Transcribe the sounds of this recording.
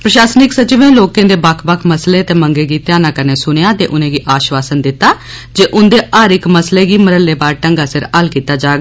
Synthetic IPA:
pɾəʃaːsnɪksət͡ʃɪʋẽːloːkẽːd̪eːbəkʰbəkʰməsleːt̪eːməŋɡeːɡiːt̪jaːnãːkəɾneːsʊɽ̃ejãːt̪ḛːʔʊnẽːɡiːʔaːʃʋaːsənd̪ɪt̪ːaː | d͡ʒeːʔʊnd̪eːʔaːɾɪkməsleːɡiːməɾəlːeːbaːɾʈəŋɡaːsɪɾəlkiːt̪aːd͡ʒaːɡ

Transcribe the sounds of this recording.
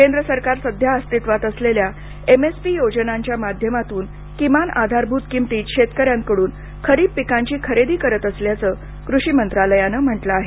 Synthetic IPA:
kend̪ɾəsəɾkaɾsəd̪ʱjaəst̪it̪ʋat̪əslelja | emespiːjod͡ʑənaɲt͡ɕjamad̪ʱjəmat̪uːn | kimanad̪ʱaɾbʱut̪kimt̪iːɕet̪kəɾjãŋkəɽuːn | kʰəɾiːbpikaɲt͡ɕiːkʰəɾed̪iːkəɾət̪əsljat͡səː | kɾuɕimənt̪ɾaləjanəm̤əʈləaɦe

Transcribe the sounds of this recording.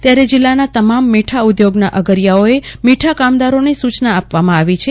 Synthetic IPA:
t̪jaɾed͡ʒɪlːanat̪əmamːiʈʰaud̪joɡnaʔəɡəɾjaoemiʈʰakamd̪aɾonesut͡ʃnaːpʋamãaʋit͡ʃʰe

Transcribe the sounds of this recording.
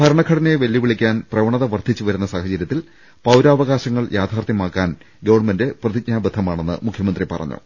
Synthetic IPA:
bʱɐɾɐɳɐkʰːɐɽɐneʋeljiʋiɭikʲːaːnprɐʋɐɳɐðɐʋɐrt̪ʰit͡ɕːuʋɐɾunːɐsaːhɐt͡ɕɐɾjɐt̪ːil | pɐwɾaːʋɐɣaːɕɐŋːɐɭjʔaːt̪ʰaːrt̪jɐmaːkːaːn | ɡɐʋɐrɳmende̞prɐðik̚ɲaːɐbɐd̪ʰʱːɐmaːɳe̞nːɨ̰mukʰjɐmɐnd̪ripɐrɐ̰ɲːṵ

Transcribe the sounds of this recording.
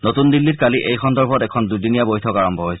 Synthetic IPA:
notundilːitkaliʔejkʰɔndɔɹbʱɔtɛkʰɔndudinijabojtʰɔkaɹɔmbʱɔɦojsɛ

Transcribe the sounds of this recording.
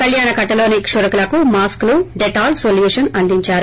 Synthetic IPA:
t̪ɐljaːnɐkɐʈːɐloːnekʂuɾɐkulɐkumaːskluɖeʈaːlsoːljuːʂɐnɐnd̪iɲt͡ʃaːɾu

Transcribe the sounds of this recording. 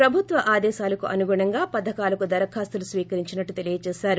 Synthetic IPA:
pɾɐbʱut̪ʋɐʔaːd̪ɛːʃaːlɐkuʔɐ̰nuɡuːɳɐŋɡaːpɐd̪ʱɐkaːlɐkud̪ɐɾɐkʰaːst̪ɐlusʋiːkɐɾiɲt͡ʃinɐʈːut̪e̞lijɐt͡ʃɛːʃaːɾu

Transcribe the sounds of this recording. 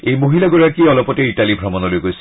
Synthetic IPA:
ejmoɦilaɡɔɹakiɔlɔpɔteitalibʱɹɔmɔnɔlojɡojs

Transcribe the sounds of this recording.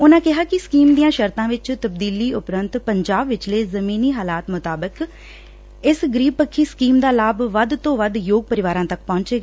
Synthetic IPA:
ʊnãːkɪɦaːkɪskiːmd̪ijãːʃəɾt̪ãːʋɪt͡ʃt̪əb̚d̪iːliːʔʊpɾənt̪pəɲd͡ʒaːbʋɪt͡ʃleːzəmiːniːɦaːlaːt̪mʊt̪aːbək | ɪsɡəɾiːb̚pəkʰːiːskiːmd̪aːlaːbʋəd̪t̪õːʋəd̪joːɡ̚pəɾɪʋaːɾãːt̪ək̚pɔ̃ːɲt͡ʃeːɡaː

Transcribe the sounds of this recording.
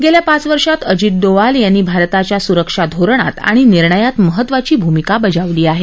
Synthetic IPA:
ɡeljapat͡sʋəɾʂat̪əd͡ʑit̪̚d̪oʋaljanːiːbʱaɾt̪at͡ɕjasuɾəkʂad̪ʱoɾɳ̃a̰t̪a̰ɽ̃iniɾɳəjat̪məɦət̪ːʋat͡ɕiːbʱumikabəd͡zaʋliːaɦe

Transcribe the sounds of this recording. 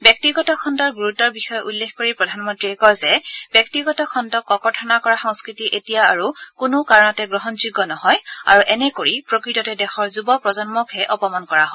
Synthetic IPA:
bjɔk̚tiɡɔtɔkʰɔndɔɹɡuɹutɔɹbixɔjɔʔulːexkoɹipɹɔdʱanmɔntɹiɛkɔjzɛb̥jɔk̚tiɡɔtɔkʰɔndɔkːɔkɔɹtʰɔnakɔɹaxɔ̃ŋskɹitiʔetijaːɹukʊnʊkaɹɔnɔtɛɡɹɔɦɔnzuɡɔnɔhɔja̰ɹuʔɛnɛkoɹipɹokɹitɔtɛdɛxɔɹzubɔpɹɔzɔnmɔkʰɛʔɔpɔmɔnkɔɹaɦɔ

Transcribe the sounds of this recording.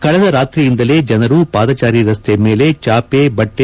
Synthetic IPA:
kɐɭɛd̪ɐɾaːt̪ɾijind̪ɐle̞ːd͡ʒɐnɐɾupaːd̪ɐt͡ʃaːɾiɾɐst̪ejɐme̞ːle̞t͡ʃaːpeːbɐʈːe

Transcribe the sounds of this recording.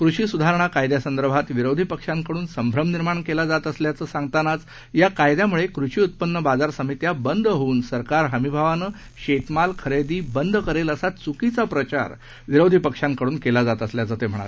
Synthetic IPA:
kɾuɕiːsud̪ʱaɾəɳ̃akajd̪jasənd̪əɾbʱat̪ʋiɾowd̪ʱipəkʂãŋkəɽuːnsəmbʱɾəmniɾmaɳkelad͡zat̪əsljat͡səːsãŋɡt̪anat͡s | jakajd̪jamuɭekɾuɕiːut̪̚pənːəbad͡zaɾsəmit̪jabənd̪ʱɦouːnsəɾkaɾɦəmibʱaʋanəː | ɕet̪malkʰəɾed̪iːbənd̪ʱkəɾeləsat͡sukit͡sapɾət͡ɕa̰ɾ | ʋiɾowd̪ʱipəkʂãŋkəɽuːnkelad͡zat̪əsljat͡səːt̪em̤əɽ̃a̰ɾe

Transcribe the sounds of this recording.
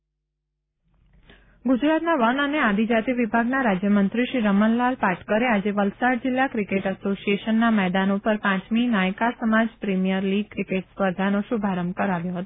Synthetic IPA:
ɡʊd͡ʒɾat̪naʋənənead̪ʱid͡ʒat̪iʋibʱaɡnaɾad͡ʒjəmənt̪ɾiʃiɾəmənlalpaʈʰkəɾead͡ʒeʋəlsaɽ̚d͡ʒɪlːakɾikeʈəsosieʃənːamɛd̪anopəɾpãt͡ʃminajkasəmad͡ʒpɾimijəɾliɡ̚kɾikeʈspəɾd̪ʱanoʃubʱaɾəmbkəɾaʋjoɦət̪o

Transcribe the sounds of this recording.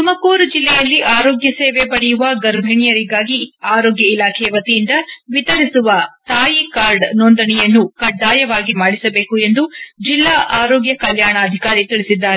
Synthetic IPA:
t̪umɐkoːɾud͡ʒilːɛjɐlːiʔaːɾoːɡjɐseːʋepɐɽɛjuʋɐɡɐɾbʱeɳijɐɾiɡaːɡiaːɾoːɡjɐilaːkʰɛjɐʋɐt̪ijind̪ɐʋit̪ɐɾisuʋɐt̪aːjikaːɾɖnond̪ɐɳɛjɐnːukɐɖːaːjɐʋaːɡimaːɽisɐbe̞ːkue̞nd̪ud͡ʒilːaːʔaːɾoːɡjɐkɐljaːɳɐːd̪ʱikaːɾit̪iɭisid̪ːaːɾe

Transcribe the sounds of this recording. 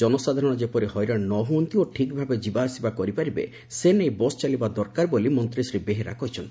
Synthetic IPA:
d͡ʒɔnɔsad̪ʱaɾɔɽ̃ɔd͡ʒepɔɾihɔjɾaɽnːɔɦunt̪ioʈʰikbʱabed͡ʒibaːsibakɔɾipaɾibḛ | senejbɔst͡ʃalibad̪ɔɾkaɾbolimɔnt̪ɾisɾibeɦeɾa̰kɔɦit͡ʃʰɔnt̪

